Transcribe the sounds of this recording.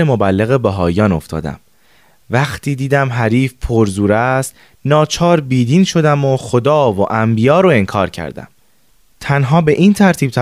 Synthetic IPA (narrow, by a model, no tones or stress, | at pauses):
emo̞bælːeɣe̞bæɦɒːjɒːno̞̰ft̪ʰɒ̰ːd̪æ̰m | væxt̪ʰiːd̪iːd̪æmɦæɾiːfpʰoɾzuːɾæst̪ | nɒːt͡ʃʰɒːɾbiːd̪iːnʃo̞d̪æmo̞xo̞d̪ɒːvoʔæmbijɒːɾoe̞ŋkʰɒ̰ːɾcʰæ̰ɾd̪æ̰m | t̪ʰænɦɒːbe̞ʔiːnt̪ʰæɾt̪ʰiːb̥̚t̪ʰæ